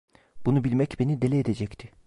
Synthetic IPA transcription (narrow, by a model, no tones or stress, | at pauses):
b̥unubilʲmɛcbe̞nid̪e̞lʲɛːd̪ed͡ʒɛct̪ʰɪ̥